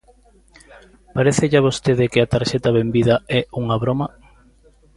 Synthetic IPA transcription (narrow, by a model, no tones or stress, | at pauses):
paɾeθɪʎaβ̞ost̪eðɪkɪat̪aɾʃɛt̪ɐβembið̞ɐɛuŋaβɾomɐ